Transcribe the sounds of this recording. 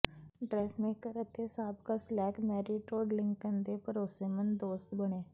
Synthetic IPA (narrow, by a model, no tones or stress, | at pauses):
ɖɾɛːsmẽkəɾət̪ʰesaːbkaslɛːkmɛːɾiʈoːɖlɪ̃ŋkənd̪epɐɾoːsemə̃nd̪oːst̪bɐɽ̃eː